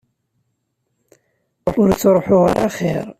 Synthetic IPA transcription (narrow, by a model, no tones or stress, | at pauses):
ʊɾt͡sːɾˤoħʊʁa̰ɾaχɪ̰ɾˤ